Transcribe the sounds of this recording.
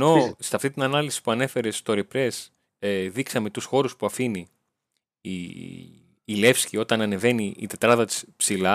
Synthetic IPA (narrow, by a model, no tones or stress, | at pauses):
no̞seɐft̪int̪inɐnɐlisi̥puɐne̞fe̞ɾe̞st̪o̞ɾipɾe̞s | eðiksɐme̞t̪usxo̞ɾuspuɐfinḭ | le̞fscio̞t̪ɐnɐne̞ve̞niḭt̪e̞t̪ɾɐðɐt̪i̥spsilɐ